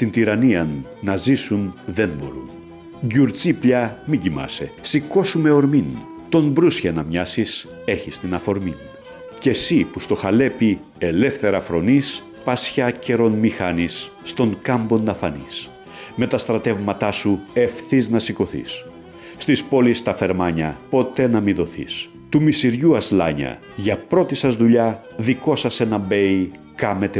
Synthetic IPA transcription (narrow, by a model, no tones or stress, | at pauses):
t̪int̪iɾɐniɐnːɐzisunðe̞mbo̞ɾṵn | ɟuɾt͡sipʎɐmiɟimɐ̰se̞siko̞sume̞o̞ɾmin | t̪o̞mbɾusçɐnɐmɲɐsis | e̞çist̪inɐfo̞ɾmin | ce̞sipust̪o̞xɐle̞pi | e̞le̞fθe̞ɾɐfɾo̞nis | pɐsçɐce̞ɾo̞nmixɐnisː | t̪o̞ŋkɐmbo̞nd̪ɐfɐnḭs | me̞t̪ɐst̪ɾɐt̪e̞vmɐt̪ɐsue̞fθiznɐsiko̞θḭs | st̪ispo̞list̪ɐfe̞ɾmɐɲɐpo̞t̪e̞nɐmiðo̞θḭs | t̪umist̪iɾʝuɐzlɐ̰ɲɐ̰ | ʝɐpɾo̞t̪isɐzðuʎɐðiko̞sɐse̞nɐbe̞j | kɐme̞t̪e